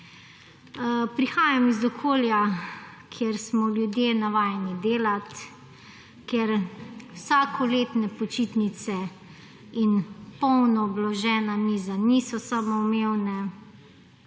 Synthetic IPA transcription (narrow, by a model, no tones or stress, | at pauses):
pɾixaːjamizɔkʰoːljakʰjeɾsmɔljud̪jenaʋaːjnid̪eːlat̪ | keɾwsaːkʰɔleːt̪nɛpɔt͡ʃiːt̪nit̪sɛ | inpɔwnɔːblɔʒɛːnamiːzanisɔsamɔmeːwnɛ